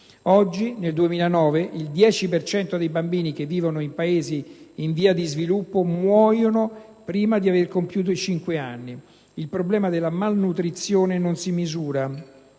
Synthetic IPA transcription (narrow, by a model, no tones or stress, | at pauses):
ɔd͡ʒːineld̪uemiːlanɔːveʔild̪jɛːt͡ʃipert͡ʃɛnt̪od̪ejbambiːnik̟evːiːvonoimpaeːziːɱviːad̪izvilupːomwɔːjono | pɾiːmad̪iaverkompjuːt̪̬oit͡ʃiŋkwea̰nːi | ilpɾoblɛːmad̪elːamalnut̪ɾit̪sːjoːnenonsimizuːɾa